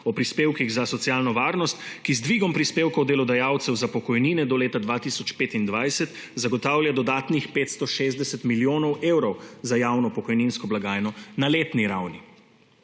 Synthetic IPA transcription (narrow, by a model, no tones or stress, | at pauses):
ɔpɾispeːwkiɣzasɔt̪sjaːlnɔʋaːɾnɔst̪kizd̪ʋiːɡɔmpɾispeːwkɔwd̪ɛlɔd̪ajaːwt̪sɛwzapɔkɔjninɛd̪ɔleːt̪ad̪ʋaːt̪isɔt͡ʃpeːt̪ind̪ʋajsɛt̪ | zaɡɔt̪aːwljad̪ɔd̪aːt̪nixpeːt̪st̪ɔʃeːzd̪ɛsɛt̪miljoːnɔwewɾɔwzajaːwnɔpɔkɔjninskɔblaɡaːjnɔnaleːt̪niɾawni